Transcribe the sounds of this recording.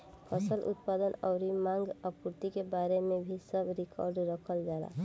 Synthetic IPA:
pʰəsəlʔʊ̰t̪paːd̪ənɔʊɾimãːŋɡəkʊɾt̪ikebaːɾemẽbʱisəbɾɪkɔːɾɖɾəkʰəld͡ʒaːla̰ː

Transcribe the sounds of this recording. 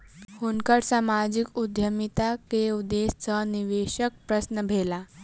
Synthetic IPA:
hunkəɽsamad͡ʑikud̪ʱjəmit̪akeud̪est͡səniʋeɕək̚pɾəsnəbʱela

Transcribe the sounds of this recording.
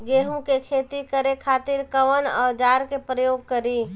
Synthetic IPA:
ɡeːɦũkekʰeːt̪ikəɾekʰaːt̪ɪɾkəʋənɔ̰ːd͡ʒaːɾkepɾəjoːɡ̚kəɾi

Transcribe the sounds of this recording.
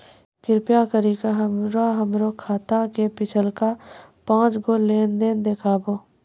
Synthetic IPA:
kɪɾpjakəɾikaɦəmɾaɦəmɾokʰaːt̪akepɪt͡ʃʰəlkapãːt͡ʃɡoleːnd̪eːnd̪eːkʰaːboː

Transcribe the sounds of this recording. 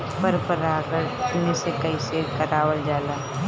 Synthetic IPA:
pəɾpəɾaːkəɾnesekəisekəɾaːwəld͡ʒaːlaː

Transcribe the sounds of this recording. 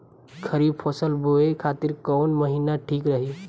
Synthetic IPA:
kʰəɾibpʰɔsəlboekʰat̪iɾkɔʊnməɦinaʈʰiːkɾəɦi

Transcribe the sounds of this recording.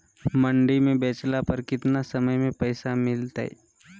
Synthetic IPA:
mɐ̃ɳɖimẽbeːt͡ʃlapɐɾkɪt̪nasɐməjmẽpəːsamɪlt̪a̰ɦɛ̰

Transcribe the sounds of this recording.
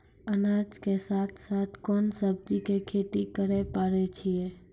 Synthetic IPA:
ənad͡ʒkesaːt̪ʰsat̪ʰkoːnsəb̚d͡ʒikekʰeʈ̪ikəɾepaɾet͡ʃʰie

